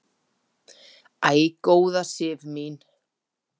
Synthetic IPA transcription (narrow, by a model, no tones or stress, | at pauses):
aːjkoːwðasɪːvmiːn